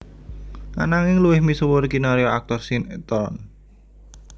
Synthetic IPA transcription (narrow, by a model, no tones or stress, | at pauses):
a̰naŋɪŋluwɪhmisuwʊɾkinaɾioak̚t̪ɔrsint̪ɔn